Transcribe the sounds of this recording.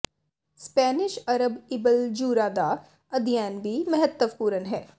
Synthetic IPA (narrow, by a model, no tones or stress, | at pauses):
spɛːnɪʃɐɾəbɪbəld͡ʒuːɾaːd̪a | ɐd̪ʱijɛːnbʱimɐɦət̪ːəʋpuːɾənɦɛː